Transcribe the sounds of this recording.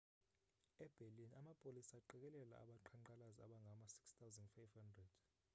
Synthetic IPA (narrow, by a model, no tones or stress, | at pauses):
ɛb̥ʱelinamapʼolisaːǃɛk̬ɛlɛla̰a̰ɓaǃʰaǃalazia̰ɓaŋɡʱamasi̥kst̪ʰawzandfajvhandrɛd̥